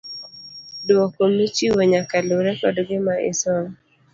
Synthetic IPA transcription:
dwɔkomit͡ʃiwoɲakaluɾɛkɔdɡɪmaʔɪ̰sɔŋ

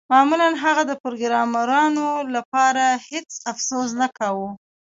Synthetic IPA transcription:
mɑmulanɦaɣad̪əpɾoɡɾɑmaɾɑnolapɑɾahet͡safsoz̬nakawu

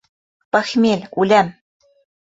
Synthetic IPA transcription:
pɑxmʲelʲulʲæm

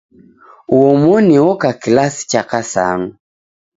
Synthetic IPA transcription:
uɔmɔniwɔkakilasi̥t͡ʃakasa̰ŋu

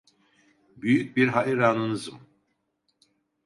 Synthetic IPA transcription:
byjyc̚biɾɦaʔiɾaːnɯnɯzɯm

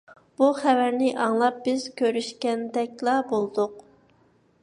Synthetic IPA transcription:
b̥uχævæɾnɪʔɑŋlˠɑp̚bɪz̥kʲʰøɾyʃkʲɛnd̪ɛkʲlˠɑbolˠd̪ʊq

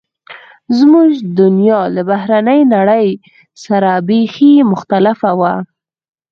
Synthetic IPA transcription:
zmuʒd̪ʊnjɑlabahɾanəjnaɽəj | saɾabeximʊxt̪alɪfawa

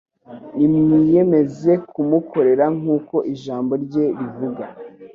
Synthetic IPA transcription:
nimɲije̞me̞ze̞kʰumukʰo̞ɾe̞ɾaŋ̥uːko̞ʔiʒaːmbo̞ɾɟe̞ɾivuɡa

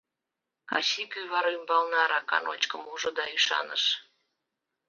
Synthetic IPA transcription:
kɑ̰ɕikyβɑɾymbɑlnɑɾɑkɑ̰no̰t͡ɕkəmuʒod̪ɑyʃɑ̰nə̰ʃ

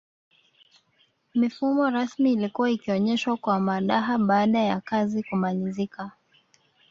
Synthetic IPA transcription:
mifumɔɾasmiːlikuwaikiɔɲɛʃwakwamaɗaɦaɓaːɗajakazikumalizika

